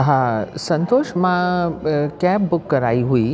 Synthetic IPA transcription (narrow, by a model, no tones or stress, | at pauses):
ɦãsə̃nt̪oːʃmã | kɛːpbʊkːəɾaːiɦui